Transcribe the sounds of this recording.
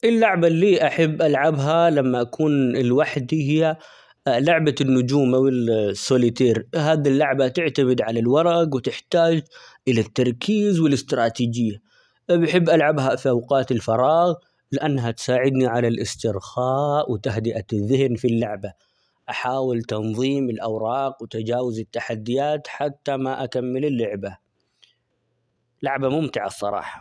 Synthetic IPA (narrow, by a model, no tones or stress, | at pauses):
ʔɪlːaʕbalːiːʔaħɪbːʔalʕabɦalamːaʔakʰuːnɪlwaħd̪ihɪjːa | lʊʕbanːʊd͡ʒuːmʔawɪlsːolit̪eːɾɦaːd̪ilːaʕbat̪ɪʕt̪amɪd̪ʕalalwɑɾˤɑɡwɪt̪ɪħt̪aːd͡ʒʔɪlat̪ːɑɾˤkʰiːzwɪlɪst̪ɾˤɑːt̪iːd͡ʒɪjːa | bɪħɪbːʔalʕabɦafiʔawqɑːt̪ɪlfɑɾˤɑːɣ | lɪʔanːɦat̪saːʕɪd̪niʕalalʔɪst̪ɪɾxaːwɪt̪aɦd̪ɪʔaðːɪhnfilːaʕba | ʔaħaːwɪlt̪ɑnðˤiːmɪlʔawɾˤɑːqwɪt̪ad͡ʒaːwazɪt̪ːaħad̪ːɪjaːt̪ħat̪ːamaʔakamːɪlɪlːʊʕba | laʕbamʊmt̪ɪʕa̰sˤːɑ̰ɾˤɑ̰ːħɑ̥